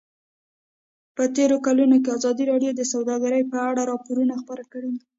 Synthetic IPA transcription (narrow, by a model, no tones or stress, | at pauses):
pət̪eɾokalunokeazɑd̪iɾɑɽjod̪əsawd̪ɑɡaɾəjpəaɽaɾɑpoɾunaxpəɾakəɽei